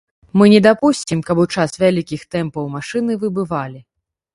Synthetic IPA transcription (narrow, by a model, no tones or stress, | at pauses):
mɨnʲɛd̪apusʲt͡sʲimkɐbut͡ʂasvʲalʲikʲixt̪ɛmpɐwmaʂɨnɨvɨbɨvalʲi